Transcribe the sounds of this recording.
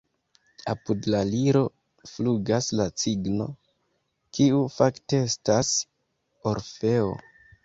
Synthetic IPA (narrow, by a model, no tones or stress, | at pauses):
apudlaliɾo̞ | fluɡaslat͡siɡno̞̰ | kiufakte̞estas | o̞ɾfe̞o̰